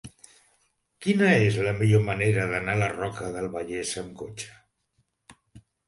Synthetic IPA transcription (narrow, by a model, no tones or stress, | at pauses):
kinəezləmiʎoməneɾəðənalərɔkəðəlˠβəʎesəmkot͡ʃə̥